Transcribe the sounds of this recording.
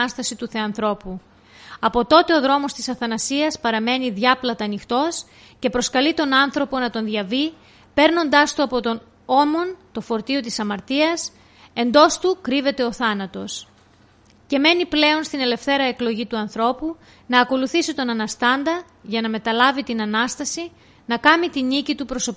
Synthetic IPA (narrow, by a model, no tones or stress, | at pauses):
ɐst̪ɐsit̪uθe̞ɐnθɾo̞pu | ɐpo̞t̪o̞t̪e̞o̞ðɾo̞mo̞st̪isɐθɐnɐsiɐspɐɾɐme̞niðʝɐplɐt̪ɐnixt̪o̞s | ce̞pɾo̞skɐlit̪o̞nɐnθɾo̞po̞nɐt̪o̞nðʝɐvi | pe̞ɾno̞nd̪ɐst̪uɐpo̞t̪o̞n | o̞mo̞nt̪o̞fo̞ɾt̪io̞t̪isɐmɐɾt̪iɐs | e̞nd̪o̞st̪ukɾive̞t̪e̞o̞θɐnɐt̪o̞s | ce̞me̞niple̞o̞nst̪ine̞le̞fθe̞ɾɐe̞klo̞ʝit̪uɐnθɾo̞pu | nɐːko̞luθisit̪o̞nɐnɐst̪ɐnd̪ɐ | ʝɐnɐme̞t̪ɐlɐvit̪inɐnɐst̪ɐsi | nɐkɐmit̪inicit̪upɾoso̞pi